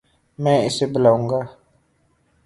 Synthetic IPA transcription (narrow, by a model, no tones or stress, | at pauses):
mɛ̃ːɪsebəlaːũːŋɡaː